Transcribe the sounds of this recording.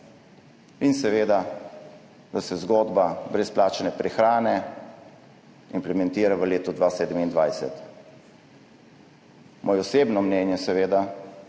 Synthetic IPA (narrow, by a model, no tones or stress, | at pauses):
insɛʋeːd̪a | d̪asɛzɡoːd̪babɾɛsplaːt͡ʃanɛpɾɛxɾaːnɛ | implɛmɛnt̪iːɾaʋəleːt̪ɔd̪ʋaːseːd̪əmind̪ʋajsɛ̰t̪ | mʔoːjɔseːbnɔmnɛːnjɛsɛʋeːd̪a